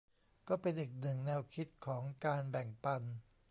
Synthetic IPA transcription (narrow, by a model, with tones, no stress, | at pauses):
kɔː˥˩pe˧nʔiː˨˩k̚nɯ˨˩ŋnɛː˧wkʰi˦˥t̪̚kʰɔː˩˦ŋkaː˧nbɛ˨˩ŋpa˧n